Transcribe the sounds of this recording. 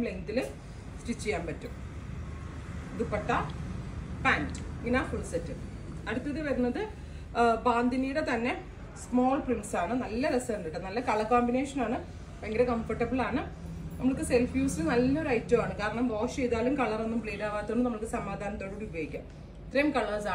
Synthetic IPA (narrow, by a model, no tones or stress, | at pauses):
mleŋt̪ːilɨ | sʈit͡ɕːijaːmpɐtːum | iðupːɐʈːɐ | paːntɨiŋːɐnaːfuɭsetːɨ | ɐɽut̪ːɐðɨʋɐɾunːɐðɨ | baːnd̪ʱiniːjuɽet̪ɐnːe̞ | smo̞ːɭprimʈsaːɳɨnɐlːɐɾesɐnːiʈːɨnɐlːɐkɐɭɐkːoːmbine̞ːʂɐnaːɳɨ | eŋːɡɐɾekɐɱfɐʈːɐbɨɭaːɳɨ | nɐmːɐɭkːɨselfjuːsɨnɐlːɐo̞ɾɐjtːɐʋaːɳɨkaːɾɐɳɐmʋo̞ːʂejðaːlumkɐɭɐrenːumpɭeːɾaːʋaːt̪ːoɳːɨnɐmːɐɭkːɨsɐmaːd̪ʱaːnɐmt̪ːoɽuːɽiubjojikʲːaːm | it̪rɐjɐmkɐɭɐsaː